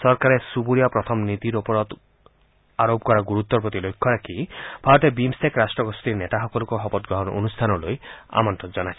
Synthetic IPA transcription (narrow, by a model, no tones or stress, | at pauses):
sɔɾkaɾesubuɾijapɾɔt̪ʰɔmnit̪iɾopɔɾɔt̪ | aɾobkɔɾaɡuɾut̪ːɔpɾot̪ilojkʰːɔɾakʰibʱaɾɔt̪ebimsekɾasʈɾɔɡɔst̪iɾnet̪aɦɔkɔlɔkuɦɔbɔt̪̚ɡɾɔɦɔnɔonust̪ʰanɔloja̰mɔnt̪ɔd͡ʒɔnat͡ʃʰi